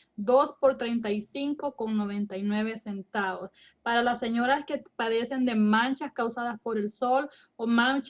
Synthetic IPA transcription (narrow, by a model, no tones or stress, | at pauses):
d̪o̞spo̞ɾt̪ɾejnt̪ajsiŋkoko̞ŋno̞β̞ẽ̞nt̪ajnweβese̞nt̪aβos | paɾalasːeɲo̞ɾaske̞paðe̞se̞nd̪e̞mãnt͡ʃaskawsaðaspo̞ɾe̞lso̞l | omãnt͡ʃ